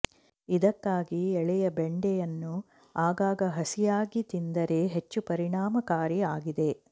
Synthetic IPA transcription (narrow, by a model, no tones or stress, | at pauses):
id̪ɐkːaːɡiɛɭɛjɐbeɳɖɛjɐnːu | aːɡaːɡɐɦɐsijaːɡit̪ind̪ɐɾe̞ɦe̞t͡ʃːupɐɾiɳaːmɐkaːɾiaːɡid̪e̞